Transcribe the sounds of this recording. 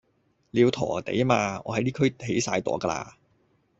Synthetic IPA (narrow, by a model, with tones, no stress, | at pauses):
liː˨˧wt̪ʰɔ̰ː˨˩t̪ḛ˨˥jmaː˧ŋɔː˨˧hɐ˨˥jliː˥kʰɵ˥ɦe˨˥jsaː˧jt̪ɔ̰ː˨˥kaː˧la̰ː˧